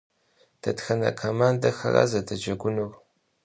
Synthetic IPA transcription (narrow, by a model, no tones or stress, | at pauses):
d̥ʰɐtxɐnɐ̰kʰomaːndɐxɐ̰ra̰ːzɐdʰɐd͡ʒɐɡʷʊnur